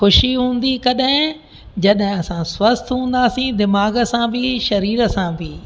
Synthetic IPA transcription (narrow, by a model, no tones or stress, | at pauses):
xʊʃiɦũːn̆d̪ikɐɗɦɪ̃ | d͡ʑɐɗɦɪ̃ɐsãswɐst̪ɦũːn̆d̪aːsĩd̪ɪmaːɡə̆sãbʱɪʃɐɾiːɾə̆sãbʱɪ